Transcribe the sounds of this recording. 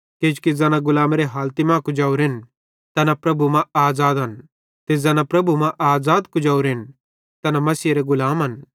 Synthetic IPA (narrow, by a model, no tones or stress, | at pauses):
keːd͡ʒu̥kid͡zɛːnãɡʊlaːmɾeɦaːlt̪imãːkud͡ʒaːuɾɪn | t̪ɐnapɾɐbumãaːzaːd̪ɦɐn | t̪ed͡zɛːnãpɾɐbumãʔaːzaːd̪kud͡ʒaːuɾɪn | t̪ɐnamɐsiːɾeɡʊlaːmɦɐn